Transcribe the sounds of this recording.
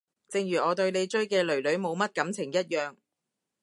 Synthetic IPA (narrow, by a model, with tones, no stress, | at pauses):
t͡sɪ˨˧ŋɥyː˨˩ʔɔː˨˧t̪ɵ˧ɥne˨˧jt͡ʃɵ˥ɥkɛː˧lɵ˨˩ɥlɵ˨˧˥ɥmo˨˧wmɐ˥t̚kɐ˨˥mt͡sʰɪ˨˩ŋjɐ˥t̚jœː˨ŋ